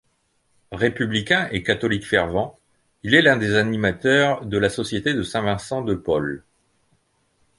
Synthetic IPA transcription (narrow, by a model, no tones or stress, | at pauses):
ʁepyblikʲɛ̃ʔekat̪ɔlikfɛʁvɑ̃ | ilɛlɛ̃d̪ezanimat̪œʁd̪əlasɔsjet̪ed̪əsɛ̃vɛ̃sɑ̃d̪əpɔl